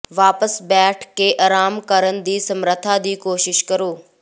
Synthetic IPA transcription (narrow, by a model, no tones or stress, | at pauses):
ʋaːpəsbɛːʈʰkeːʔɐːɾaːmkɐɾənɪ̆d̪iːsɐmɾət̪ʰad̪iːkoːʃɪʃkɐɾoː